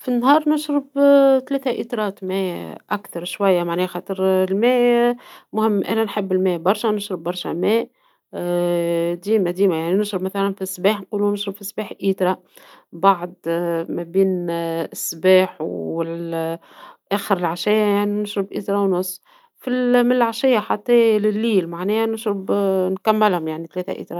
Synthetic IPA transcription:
finːɦɑːɾˤnʊʃɾɪbt̪læːt̪æʔit̪ɾˤɑːt̪mæːʔækt̪ɑɾˤʃwæjːamaʕnɛːxɑːt̪ˤəɾlmæː | mʊhɪmːʔæ̰nænħɪbːɪlmæːbɑɾˤʃanʊʃɾɪbːɑɾˤʃæmɛːʔ | d̪iːmæd̪iːmæjaʕninɪʃɾɪbmæθælænfisːbæːħnquːlunɪʃɾɪbfisbæːħʔiːt̪ɾˤɑ | baʕd̪mæbiːnɪsːbæːħwɪl | ʔæːxəɾɪlʕaʃæjajaʕninɪʃɾɪbʔiːt̪ɾˤɑwnʊsˤː | filmɪnɪlʕaʃɪjːaħat̪ˤːɛːlɪlːiːlmaʕnɛːhænɪʃɾɪbnkæmːɪlhʊmjaʕnit̪lɛːt̪æ̰ʔḭːt̪ɾˤɑ

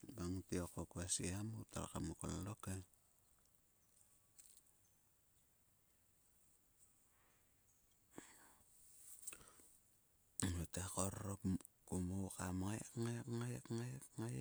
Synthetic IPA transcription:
baŋtiokokuasiamuta̰ɾa̰ka̰moko̰laloka | mutakoɾop | kumokamakŋajkŋajakŋajkŋaj

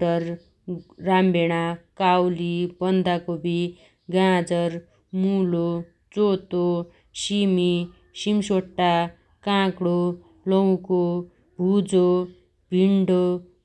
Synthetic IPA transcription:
ʌrː | ambeɽ̃akawlibʌnd̪ʱakobʱi | ɡãd͡zʌɾ | mulo | d͡zot̪o | simi | simsoʈːa | kãkɽo | lʌw̃ko | bʱud͡zo | bʱiɳɖo

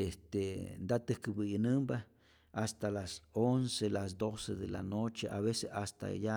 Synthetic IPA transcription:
est̪end̪at̪ɨhkɨbɨjnɨmba | ast̪alasonselas̬d̪osed̪ela̰not͡ʃeʔaβeseast̪a̰ja

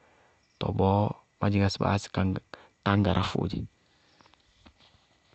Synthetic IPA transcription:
tɔ̰bɔ | maɟiɡasba̰ska | taŋɡaɾʔafṵd͡ʒi

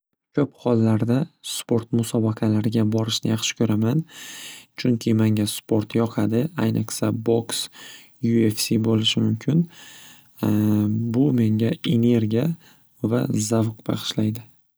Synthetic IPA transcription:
kʲʰɵphɒlˠːaɾd̪aspo̞ɾt̪mʊsɒbaqʰɑlaɾɪɡʲabɒɾɪʃnɪjɑχʃɪ̥kʰɵɾaman | t͡ʃʰʊŋkʲʰɪmaŋʲaspo̞ɾt̪jɒqʰad̪ɪajnɨqsabo̞ks | juefsibolɪʃɪmʊmkʲʰɪn | bʊme̞ŋɡʲae̞ne̞ɾɡʲija | va̰zavqb̥ɑ̰ʁɨ̥ʃlajd̪ɪ

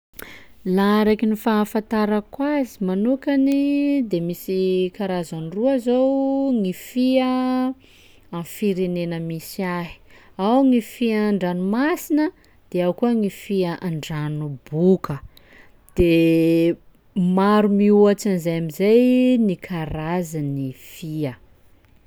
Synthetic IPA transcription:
laɾekinifafãnt̪aɾəkwazimanukanid̪emisikaɾazaniruazowŋifiə | afiɾenenəmisiaɦi̥ | awŋifiaaɳɖ͡ʐanumasinə | d̪̥eawkuəŋifiəʔaɳɖ͡ʐanubukə | d̪̥e | maɾumiuat͡ʃanizajamizajnikʰaɾazanifiə

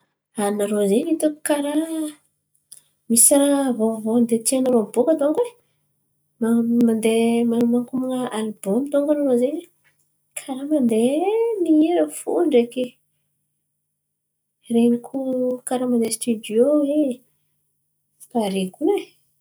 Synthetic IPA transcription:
anaɾozenit̪uku̥kaɾa | misaɾavovond̪et̪ianaɾombokat̪oŋke | mamand̪emanmaŋkumunəalbomt̪oŋɡanaɾozeni | kʰaɾamand̪enieɾəfṵɳɖ͡ʐeke | renikʰukaɾamand̪est̪yd̪joe | paɾekune

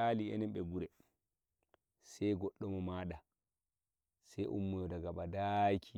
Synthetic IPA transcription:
aliɛ̰nɛmɓɛɡuɾɛ | sɛjɡɔɗːɔmɔmaːɗa | sɛjʔṵmːɔjɔdaɡaɓadajkʰi

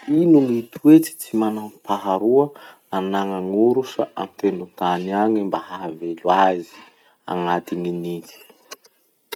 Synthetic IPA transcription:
inuŋit̪uet͡si̥t͡simanampaɦaɾuə | anaŋaŋuɾusə̰ʔa̰mt̪enut̪aniaɲimbahavelwazi̥ | a̰ŋat̪iŋinit͡si̥

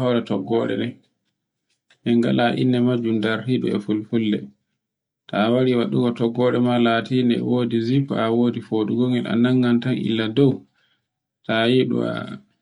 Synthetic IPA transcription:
hɔɾɛtɔɡːɔɗɛ̰nɛ | ʔɛŋɡa̰laʔḭnːɛmad͡ʒumdaɾhiɗṵɛ̰fulfulːɛ | tʰawaɾiwaɗuɡɔtɔɡːɔɗɛmalatiːnɛ̰woːdizifawoːdifoɗuɡoŋɛla̰naŋːantanḭlːadɔw | tajiɗṵa̰

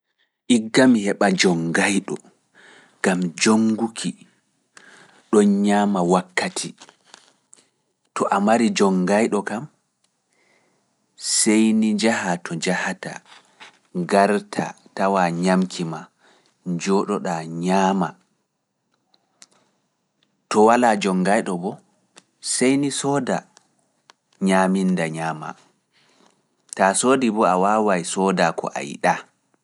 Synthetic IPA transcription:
ʔiɡːamihɛɓad͡ʒɔŋɡajɗɔ | ɡ̥amd͡ʒoŋɡukʰi | ɗɔnɲaːmawakʰːatʰi | tɔʔamaɾid͡ʒɔŋɡajɗɔkam | sejnid͡ʒahatʰɔd͡ʒahata̰ | ɡaɾtʰa̰tawaɲamkʰima | d͡ʒɔɗɔɗaɲaːma̰ | tɔwalaːd͡ʒɔŋɡajɗɔbɔ | sejnisɔːda | ɲaːmindaɲaːma̰ | tasoːdibɔawaːwajsɔdakɔ̰ʔa̰j̰ɗa

